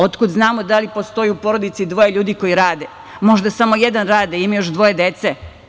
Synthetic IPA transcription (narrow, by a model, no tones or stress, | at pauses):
o̞t̪kud̪znaːmod̪alipo̞st̪o̞juupo̞ɾod̪it̪sid̪ʋo̞jeʎuːd̪iko̞jiɾaːd̪e | mo̞ʒd̪asamo̞jed̪anɾaːd̪eimajoʃd̪ʋo̞jed̪et̪se